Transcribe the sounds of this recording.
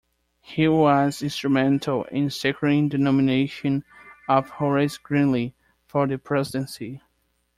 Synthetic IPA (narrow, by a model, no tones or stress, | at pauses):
hiwʌzɪ̃nstɹ̥ɨmɛ̃ntʰəl̩ˠɪ̰̃nsɛkʰɹɨɾɪ̃ŋdɨnɔmɨneɪʃɨ̃nʌv̥hɔɹɪsɡ̥ɹĩnli | fɔ˞ðɨpʰɹ̥ɛzɪdɨ̃nsi